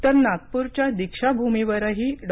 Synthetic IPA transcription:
t̪əɾnak̚puɾt͡ɕjad̪ikʂabʱumeʋəɾaɦiɖ

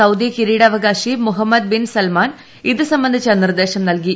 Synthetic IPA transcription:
ɐwd̪ijɐkiɾiːɽɐʋɐɡaːɕimuɦɐmːɐd̪̚binsɐlmaːn | iðɨsɐmbɐnd̪ʱit͡ɕːɐnird̪e̞ːɕɐmnɐlki

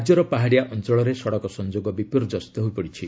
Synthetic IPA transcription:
d͡ʒɔɾɔpaɦaɽijaʔɔnt͡ʃɔɭɔɾesɔɽɔkɔsɔnd͡ʒoɡɔbipuɾd͡ʒɔst̪ɔɦujpɔɽit͡ʃʰi

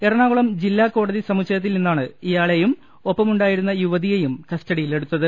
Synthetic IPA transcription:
erɐɳaːʋuɭɐmd͡ʑilːaːkːo̞ːɽɐðisɐmut͡ɕːɐjɐt̪ːilninːaːɳɨijaːɭe̞jum | o̞pːɐmuɳɖaːjiɾunːɐjuʋɐðijejumkɐstɐɽijile̞ɽut̪ːɐðɨ

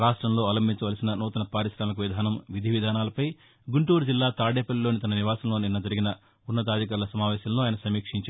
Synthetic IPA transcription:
ɾaːʂʈɾɐmlo̞ːɐlɐmbʱiɲt͡ʃɐʋɐlɐsinɐnuːt̪ɐnɐpaːɾiʃɾaːmikɐʋid̪ʱaːnɐmʋid̪ʱiʋid̪ʱaːnaːlɐpɐj | ɡuɳʈuːɾud͡ʒilːaːt̪aːɽeːpɐlːilo̞ːnit̪ɐnɐniʋaːsɐmloːninːɐd͡ʒɐɾiɡinɐ | unːɐt̪̬aːd̪ʱik̬ɐːɾulɐsɐmaːʋɛːsɐmloːjɐnɐsɐmiːkʂiɲt͡ʃaː

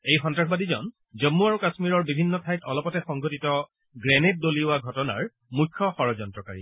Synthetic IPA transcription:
ejxɔntɹakʰɔbadizɔ̰n | zɔmːuaɹukasmiɹɔɹbibʱinːɔtʰajtɔlɔpɔtɛxɔŋɡʱotitɔ | ɡɹenet̚doliʊwaɡʱɔtɔna̰ɹ | mukʰːɔxɔɹɔzɔntɹɔkaɹḭ

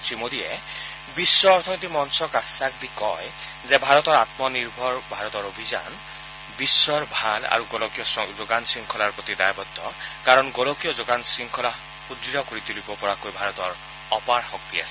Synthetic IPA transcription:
simod̪iɛ | bisːɔːɹt̪ʰɔnet̪imɔnsɔkasak̚d̪ikɔj | zɛbʱaɹɔt̪ɔɹat̪mɔniɹbʱɔɹbʱaɹɔt̪ɔɹobʱiza̰n | bisːɔɹbʱala̰ɹuɡɔlɔkijɔzoɡansɹiŋkʰɔlaɹpɹot̪idajbɔd̪ʰʱːɔkaɹɔnɡɔlɔkijɔzoɡansɹiŋkʰɔla | xudɹiɔkoɹit̪ulibɔpɔɹakojbʱaɹɔt̪ɔɹ | ɔpaɹxɔk̚t̪ia̰sɛ̥

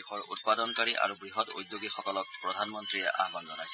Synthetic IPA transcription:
xɔɹṵt̚padɔnkaɹiʔa̰ɹubɹiɦɔto̰jd̪joɡixɔkɔlɔk̚pɹɔdʱanmɔntɹijɛ̰ʔa̰ɦbandɔnajsɛ

